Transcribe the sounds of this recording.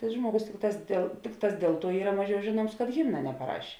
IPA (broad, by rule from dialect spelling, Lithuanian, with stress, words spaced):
tɐɪ ˈʒmuɔɡʊs ˈtʲɪkˌtɑːs dʲeːlˠ ˈtʲɪkˌtɑːs ˈdʲeːlˠ ˌtuɔ ˈiːrɐ ˈmɑːˌʒʲɛʊ ˈʒʲeːˌnuɔms kɐt ˈɣʲɪmnɐ nʲɛpɐˈrɐʃʲ